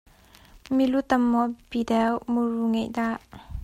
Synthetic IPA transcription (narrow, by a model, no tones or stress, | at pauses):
milut̪ɐmːɔb̥idɛwmuruŋɛʔd̪aʔ